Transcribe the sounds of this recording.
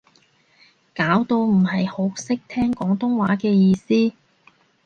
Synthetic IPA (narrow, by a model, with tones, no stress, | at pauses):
kaː˨˥wt̪o˧wm̩˨˩hɐ˨jho˨˥wsɪ˥k̚t̪ʰɛː˥ŋkɔː˨˥ŋt̪ʊ˥ŋwaː˨˥kɛː˧jiː˧siː˥